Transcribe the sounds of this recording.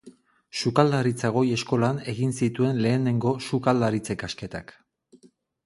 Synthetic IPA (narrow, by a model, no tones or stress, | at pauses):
sukald̪aɾit͡saɣo̞je̞sko̞lane̞ɣinsit̪ue̞nle̞ːne̞ŋɡo̞ʃukald̪aɾit͡se̞kaske̞t̪ak